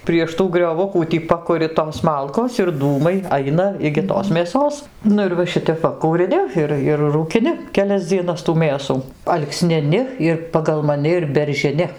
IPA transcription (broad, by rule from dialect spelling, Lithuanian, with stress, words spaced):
pʲrʲiɛʃ ˈtuː ɡrʲoːˈʋʊkuː tʲiː ˈpɑːkʊrʲɪ toːs ˈmɐlˠkoːs ɪr ˈduːmɐɪ ˈɐɪnɐ ɪɡʲɪ ˈtoːs mʲeːˈsoːs ˈnʊ ɪr ʋɐ ˈʃʲɪtʲɛp ˈʋɐ kuːrʲɪˈnʲɪ ˈɪr ɪr ruːkʲɪˈnʲɪ kʲɛˈlʲɛs d͡zʲiɛˈnɐs tuː ˈmʲeːsuː ɐlˠksʲnʲɪˈnʲɪ ɪr pɐɡɐlˠ mɐˈnʲɪ ɪr bʲɛrʲʒʲɪˈnʲɪ